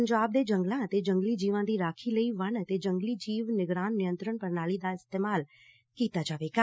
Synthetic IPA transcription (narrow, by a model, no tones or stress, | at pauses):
əɲd͡ʒaːb̚d̪eːd͡ʒə̃ŋɡlãt̪ed͡ʒə̃ŋɡlid͡ʒiːʋãd̪iːɾaːkʰiləiʋɐnt̪ed͡ʒə̃ŋɡlid͡ʒiːʋnɪɡɾaːnːɪjə̃nt̪ɾəɳpɐɾnaːlid̪aɪst̪eːmaːl | kiːt̪ad͡ʒaːʋeːɡaː